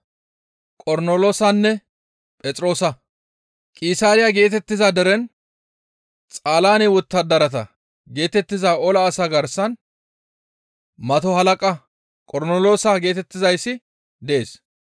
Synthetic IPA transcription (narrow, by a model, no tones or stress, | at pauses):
kʼɔɾnoloːsɐnːɛ | pʼɛt͡sʼɾo̞ːsɐ | kʼɪsaːɾɪjaɡe̞ːt̪ɛt̪ːɪzad̪ɛɾɛn | t͡sʼaːlaːnɛwɔt̪ːɐd̪ɐɾɐt̪ɐ | ɡe̞ːt̪ɛt̪ːɪzaːɔlɐːsaɡɐɾsɐn | mɐt̪ɔhɐlɐkʼɐ | kʼɔɾnolo̞ːsaɡeːt̪ɛt̪ːɪzɐjsːɪ | d̪ɛeːs